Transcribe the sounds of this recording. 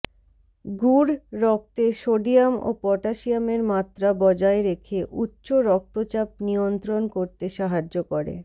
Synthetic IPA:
ɡuɾːɔk̚t̪eʃoɖiamo̰pɔʈaʃiameɾmat̪ːɾabɔd͡ʑaeɾekʰeʔutːɕoɾɔk̚t̪ot͡ɕap̚niont̪ɾonkoɾt̪eʃaɦad͡ʑːokoɾḛ

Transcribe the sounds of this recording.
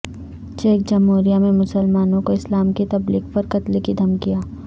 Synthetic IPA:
t͡ʃeːk̚d͡ʒɐmɦuːɾijamẽmʊsəlmaːnõkoɪslaːmkit̪ɐbliːɡpɐɾkɐt̪likid̪ʱɐmkijaː

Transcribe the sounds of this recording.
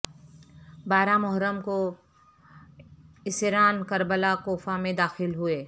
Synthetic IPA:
baːɾamɔɦɾəmko | ɪsɪɾaːnkɐɾbəlakoːfamẽd̪aːxɪlɦʊeː

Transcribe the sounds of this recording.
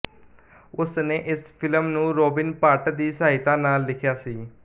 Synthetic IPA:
ʊsneːʔɪspʰɪləmnũːɾoːbɪnpaːʈd̪iːsaːɦɪt̪ãːnaːlːɪkʰjaːsiː

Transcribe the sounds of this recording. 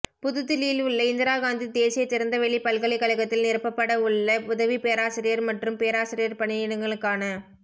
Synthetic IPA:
pʊðɯt̪ːɪliːlɯɭːɐɪnd̪ɪɾaːɣaːnd̪id̪eːsɪjɐt͡ʃːɪɾɐnd̪ɐʋɛɭːipɐɭkɐɭɪkːɐɭɐɣɐt̪ːɪlnɪɾɯpːɐpːɐɽɐɯɭːɐʊðɐʋipeːɾaːsɪɾɪjɐɾmɐʈrɯmpeːɾaːsɪɾɪjɐɾpɐɳɪjɪɽɐŋɡɐɭɯkːaːnɐ

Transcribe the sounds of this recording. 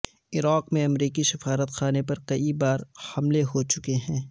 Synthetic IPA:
ɪɾaːqmẽɐmɾiːkisɪfaːɾət̪xaːnepɐɾkɐibaːɾhɐmleɦot͡ʃʊkeɦɛ̃ː

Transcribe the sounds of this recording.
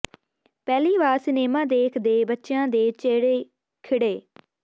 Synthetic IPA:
pɛːliːʋaːɾsɪneːmãːd̪eːkʰd̪eːbətːʃjãːd̪eːt͡ʃeːɽeː | kʰɪɽeː

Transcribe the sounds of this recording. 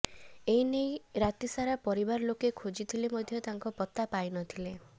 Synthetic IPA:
einejɾat̪isaɾapɔɾibaɾɔlokekʰod͡ʒit̪ʰilemod̪ʱjɔt̪aŋkɔpɔt̪ːapajnɔt̪ʰile

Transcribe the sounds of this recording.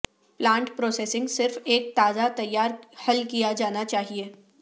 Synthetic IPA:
plãːɳʈpɾoːseːsɪ̃ŋɡsɪɾfeːk̚t̪aːzat̪ɐjːaːɾhɐlkijad͡ʒaːnat͡ʃaːɦieː

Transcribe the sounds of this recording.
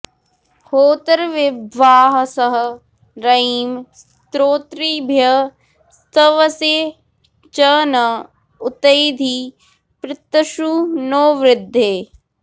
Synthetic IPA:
hoːt̪ɐɾʋɪbʋaːɦɐsɐɦə̆ | ɾɐims | t̪ɾoːt̪ɾibʱjɐ | st̪ɐʋɐseː | t͡ʃəːnɐ | ʊt̪ɐjd̪ʱi | pɾɪt̪ːɐʃunoːʋɾɪd̪ʱːeː

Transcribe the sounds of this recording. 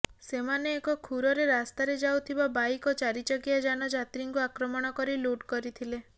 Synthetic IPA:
semaneːkɔkʰuɾɔɾeɾast̪aɾed͡ʒawt̪ʰibabajkɔt͡ʃaɾit͡ʃɔɡijad͡ʒanɔd͡ʒat̪ɾiŋkuakɾɔmɔɽ̃ɔkɔɾiluʈkɔɾit̪ʰile

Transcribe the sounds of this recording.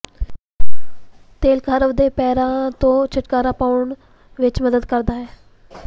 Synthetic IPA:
t̪eːlkʰəɾəʋd̪eːpɛːɾãːt̪õːt͡ʃʰəʈkaːɾaːpaːʊɳ | ʋɪt͡ʃməd̪əd̪kəɾd̪aːɦɛː

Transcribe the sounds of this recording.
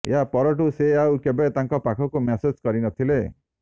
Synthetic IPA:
japɔɾɔʈ̬useawkebet̪aŋkɔpakʰɔkumesed͡ʒkɔɾinɔt̪ʰile

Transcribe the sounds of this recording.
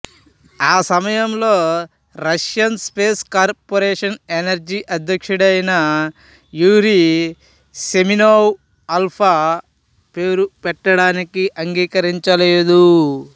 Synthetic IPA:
aːsɐmɐjɐmlo̞ː | ɾɐʂjɐnspeːskaːɾpoɾeːʂɐnenɐɾd͡ʒiʔɐd̪ʱjɐkʂɐɽɐjnɐ | juːɾi | seminoːw | ɐlpʰɐ | pe̞ːɾupɛʈːɐɽaːnikiʔɐŋɡiːkɐɾiɲt͡ʃɐleːd̪u

